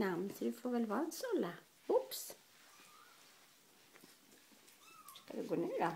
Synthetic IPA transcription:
ɑmnsd̪ʉfoːʋɛlʋɑnsɔlə | ʊps | skɑ̰d̪ɛɡoːneːɾɑ

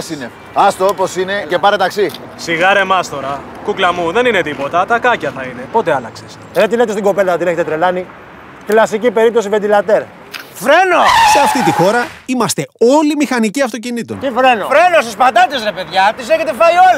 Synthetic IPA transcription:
sine | ɐst̪ooposine̞ce̞pɐɾet̪ɐksi | siɣɐɾe̞mɐst̪o̞ɾɐ | kuklɐmuðe̞nine̞t̪ipo̞t̪ɐt̪ɐkɐcɐθɐine̞po̞t̪eɐlɐkses | ðet̪ilet̪est̪iŋɡo̞pe̞lɐɐt̪ine̞çet̪et̪ɾe̞lɐni | klɐsicipe̞ɾip̚t̪o̞s̬ivend̪ilɐt̪e̞ɾ | fɾe̞no̞se̞ɐft̪it̪ixo̞ɾɐimɐst̪e̞o̞limixɐniciɐft̪o̞cinit̪ont̪ifɾe̞nofɾenosispɐt̪ɐt̪isɾepeðʝɐt̪iseçet̪efɐiol

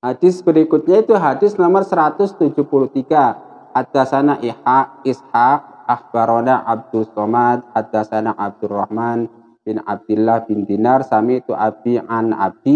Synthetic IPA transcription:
had̥ɪsb̥əɾikʊt̪̚ɲait̪uɦadɪsnɔmərsəɾat̪ʊst̪ud͡ʒʊhpuluht̪iɡ̥a | hat̪̚d̪̥asanaʔihaishak̚ah̚b̥aɾonaʔab̚d̪̥ʊst̪ɔmat̪̚hat̪̚d̥̪asanaʔab̚d̪̥urahman | b̥ɪna̰b̚d̪̥ulːahbind̪inarsamit̪uʔab̥iʔana̰b̥̚i

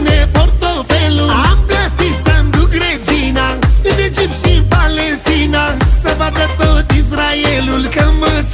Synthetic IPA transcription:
nepoɾt̪oːpeːlũaːmkɐt̪isɐmd̪uɡɽed͡ʒiːnaːened͡ʒipsĩnpaːleːst̪ʰiːnaːsɐbad̪ɐt̪oːt̪is̬ɾaːjeːlulkɐmɐs

